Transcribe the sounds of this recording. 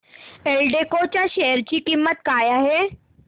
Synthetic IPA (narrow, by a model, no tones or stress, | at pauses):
elɖekot͡ɕaʃɛjəɾt͡ɕikɪmːət̪̚kaːjaɦɛː